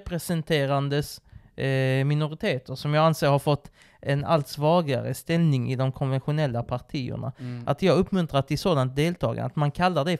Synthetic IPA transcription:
pɾɛsɛnt̪ʰeːɾand̪əs | mɪnʊɾɪt̪ʰeːt̪ʰəɾsɔmjɑːɡanseːɾhaɾfɔt̪ː | ɛna̰lt̪svɑːɡa̰ɾə̰st̪ɛlnɪŋɪ̰d̪ɔmkʰɔnvɛnɧʊnɛlːapʰaʈʰiːə̰ɳa̰ʔat̪jɑːɡaɵpːmɵnt̪ɾat̪ɪsoːd̪ant̪̚d̪eːlt̪ʰɑ̰ːɡa̰nat̪mankʰalːadɛ

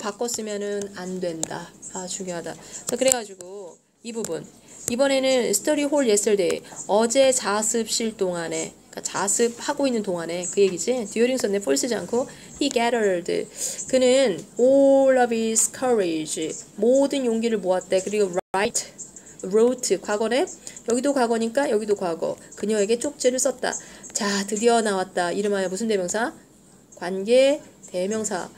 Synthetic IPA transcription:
pak͈ʌs͈ɯmjʌnɯnandwe̞ndaːt͡ɕuŋjoɦada̰t͡ɕakɯɾe̞ɡad͡ʑiɡo | ibubun | ibʌne̞nɯnsʰɯ̥tʰʌɾiɦoɭje̞s͈ɯɭt͈ḛʌd͡ʑe̞t͡ɕasʰɯp̚ɕ͈iɭt͈oŋane̞ | k͈at͡ɕasʰɯp̚haɡoinːɯntoŋane̞kɯje̞ɡid͡ʑitijoɾjiŋsʰʌnːepʰoɭs͈ʰɯd͡ʑia̰nkʰo | hikeɾʌɭdɯ̰kɯnɯnoɭːʌbisʰɯ̥kʰʌɾed͡ʑimodɯnjoŋɡiɾɯɭmoat̚t͈e̞kɯɾiɡoaitʰ | ɾotʰɯkwaɡʌne̞jʌɡidokaɡʌɲik͈ajʌɡidokwaɡʌ̰kɯɲʌŋe̞ɡe̞t͡ɕ͈ok̚t͡ɕ͈iɾɯɭs͈ʌt̚t͈a̰t͡ɕatɯdiʌnawat̚t͈aiɾɯmajʌmusʰɯnde̞mjʌŋsʰa | kwanɡe̞te̞mjʌŋsʰa̰

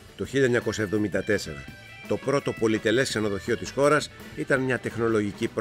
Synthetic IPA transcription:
t̪o̞çiʎɐeɲɐko̞sɐe̞vðo̞mind̪ɐt̪e̞se̞ɾɐ̰ | t̪o̞pɾo̞t̪o̞po̞lit̪e̞le̞sksɐno̞ðo̞çio̞t̪isxo̞ɾɐs | it̪ɐnmɲɐt̪e̞xno̞lo̞ʝicipɾ

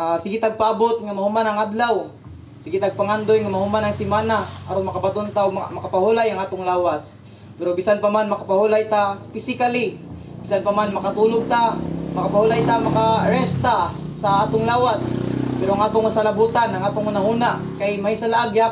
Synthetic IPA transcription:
ʔasɪɡit̪aɡ̚paʔabot̪̚ŋamahumanɐŋad̪law | sɪɡit̪aɡ̚paŋand̪ojŋamɐhumanɐŋsɪmaːnaʔa̰ɾoŋmɐkabat̪ont̪aomɐkapahulajaŋaːt̪oŋlaːwas | pɛɾobisanpamanmɐkapahulajt̪apɪsɪkali | bisanpamanmɐkat̪uːloɡ̚t̪amɐkapahulajt̪amɐkaaɾɛst̪asaʔaːt̪oŋlaːwaspɛɾoaŋaːt̪oŋsalabuːt̪anaŋaːt̪oŋnahuːna | kajmaisalaʔaɡja

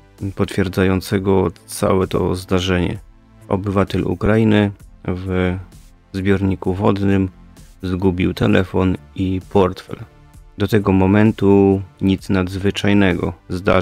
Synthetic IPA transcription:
pɔt̪fʲjɛɾd̪zajɔnt̪sɛɡɔt̪sa̰wɛt̪ɔzd̪aʐɛɲɛ̰ | ʔɔ̰bɘvat̪ɛlṵkɾainɘv | zbʲjɔɾɲikuvɔd̪nɘmzɡubʲiwt̪ɛlɛfɔnipɔɾt̪fɛ̰l | d̪ɔt̪ɛɡɔmɔmɛnt̪uɲit̪snad̪zvɘt͡ʂajnɛɡɔ̰zd̪a̰

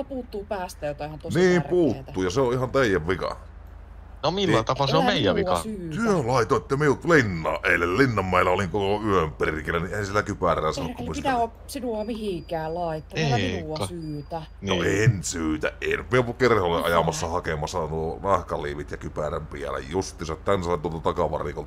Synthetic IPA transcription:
opuːt̪ːuːpæːst̪æjot̪ɑehænt̪osniːmrpuːt̪æːuːjɑseoʔihɑnt̪eˑijæʋʋikɑ̰ | nomilːæt̪ɑpɑseommeˑijæʋikɑ̰syːt̪yølɑˑit̪oet̪ːæmiult̪linːɑ̰ːʔʔeˑilːellinːɑmːæˑelːæoliŋkoloyømperikelːæniʔeˑihænsielækypærˑæːsɑnːokust̪æo | sinuɑmihiŋkæːllɑˑit̪ːoinuɑsyːt̪æ | no̰ensyːt̪æ̰ʔʔḛˑinyt̪mieoukerholːeʔɑjɑmɑsːɑhɑkemɑsːɑnuonɑhkɑliːʋit̪jɑkypæræmpiæ̰læ̰jjust̪ˑisɑt̪ːhænsɑˑit̪uolt̪ɑt̪ɑkɑʋɑ̰rḭkolt̪ɑ

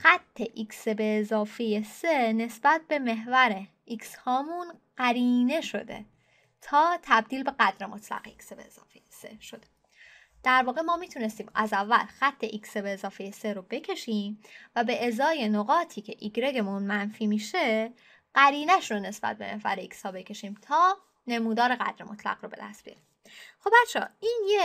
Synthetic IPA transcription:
xæt̪ʰːe̞ʔiksebe̞ːzɒːfeje̞sene̞sb̥æt̪̚be̞me̞ɦvæɾe | ikshɒːmunɢæɾiːne̞ʃo̞̰d̪e̞̰ | t̪ʰɒːt̪ʰæb̚d̪iːlbe̞ɣæd̪ɾemo̞t̪ʰlæ̰ɣeiksbeːz̥ɒ̰ːfejese̞̰ʃo̞d̪̥e̥ | d̪̥æɾvɒːɣe̞mɒːmiːt̪ʰune̞st̪iːmæzævːæ̰lxæt̪ʰːe̞ʔiksebeːzɒːfejeseɾobe̞cʰe̞ʃiːmvæbe̞ʔezɒːje̞noɣɒːt̪ʰiːcʰe̞ʔiɡɾe̞ɡe̞munmænfiːmiːʃe̞ | ɢ̥æɾiːnæʃɾone̞sb̥æ̰t̪̚be̞̰evæ̰ɾeikshɒːbe̞cʰe̞ʃiːmt̪ʰɒː | ne̞muːd̪ɒːɾe̞ɣæ̰d̪̥ɾemo̞t̪ʰlæ̰ɣrobe̞d̪æ̰st̪̚bijɒ̰ɾim | xob̚bætt͡ʃʰɒ̰ːiːnje

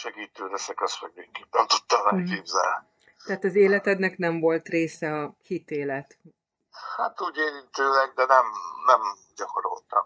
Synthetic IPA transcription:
ʃɛɡiːt̪øːlɛsɛkɛsmɛɡ̚nekːit̪̚nɛmt̪ut̪ːɒmnɛkeːbzɛ̰l | t̪ɛːt̪ɒzeːlɛt̪ɛd̪nɛknɛɱvo̞lt̪reːsɛɒhit̪eːlɛt̪ | hat̪uːɟeːɾint̪øːlɛɡ̚d̪ɛnɛmnɛmɟɒko̞ɾo̰lt̪ɒ̰m

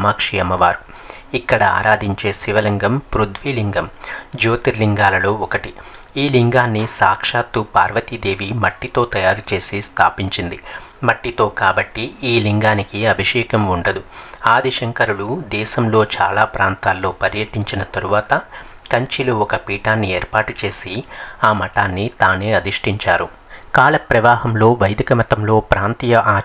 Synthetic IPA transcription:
maːkʂijɐmɐʋaːɾu | ikːɐɽɐa̰ːɾaːd̪iɲt͡ʃe̞ːʃiʋɐlɐŋɡɐmpɾud̪ʋiliŋɡɐmd͡ʒoːt̪iɾliŋɡaːlɐloːɔkɐʈi | iːliŋɡaːnːisaːkʂaːt̪ːupaːɾʋɐt̪id̪e̞ːʋimɐʈːit̪o̞ːt̪ɐjaːɾut͡ʃe̞ːsist̪ʰa̰ːpiɲt͡ʃind̪imɐʈːit̪o̞ːkaːbɐʈːiiːliŋɡaːnikiɐbʱiʃɛːkɐmuɳɖɐd̪uaːd̪iʃɐŋkɐɾuɭud̪ɛːʃɐmlo̞ːt͡ʃaːlaːpɾaːnt̪aːlːo̞ːpɐɾjɐʈiɲt͡ʃinɐt̪ɐɾuʋaːt̪ɐ | kɐɲt͡ʃiluɔkɐpiːʈaːnːieːɾpaːʈut͡ʃe̞ːsiaːmɐʈaːnːit̪aːneːɐd̪iʂʈiɲt͡ʃaːɾu | kaːlɐpɾɐʋaːɦɐmlo̞ːʋɐjd̪ikɐmɐt̪ɐmlo̞ːpɾaːnt̪ijɐʔaː

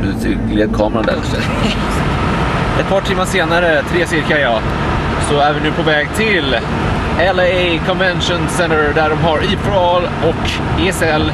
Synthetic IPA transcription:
ʉt̪ʰɪ̰ɡleːd̪̚kʰɑːmɾand̪æ̰ɾsɛ | ɛt̪̚pʰɑːʈʰɪmːaʂeːnaɾət̪ʰɾeːsɪɾkajɑː | sɔɛːvənːʉpʰɔvɛːɡt̪ʰɪl | ɛlɛkʰɔnvɛnʂʊnsɛnt̪əɖ̪æɖɔmɦaɾiːpʰʊɾɑl | ɔk | eɛsɛl

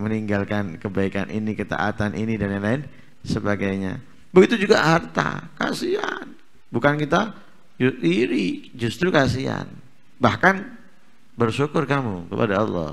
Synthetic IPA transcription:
məniŋɡalkankəbaikanʔinikət̪a̰ʔat̪anʔinidanjaŋlaɪn | səbaɡajɲa̰ | bəɡit̪ud͡ʒuɡaɦart̪a̰ka̰sia̰n | bukankit̪a | d͡ʒiɾid͡ʒust̪ɾukasia̰n | bahkan | bərsukʊrkamukəpa̰daɔlːɔ̰h

